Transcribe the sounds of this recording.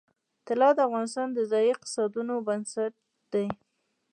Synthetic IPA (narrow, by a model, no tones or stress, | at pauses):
t̪ɪlɑd̪əavɣɑnɪst̪ɑnd̪əzɑjiq̪̚ɪ̥sɑd̪unobansaʈ̪̚ | d̪aj